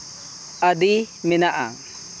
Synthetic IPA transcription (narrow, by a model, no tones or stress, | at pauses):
adi | mɛnaʔa̰